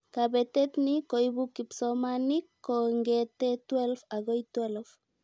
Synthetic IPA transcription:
kabɛt̪et̪nikojbukːipsɔmanikːoŋɡɛt̪et̪wɛlfaɡojt̪wɛlf

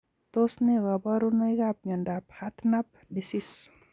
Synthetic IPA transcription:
t̪osneɣabaɾunajɡap̚ɲɔndap̚hat̪nap̚ | disis

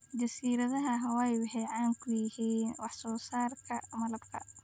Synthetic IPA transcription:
d͡ʒɐsiːɾɐðɐɦɐɦɐwɛjwʊħɛːʕɑːŋkʰʊjɪhiːnwɑħsɔːsaːrkʰɐmɐlɐbkʰɐ̰

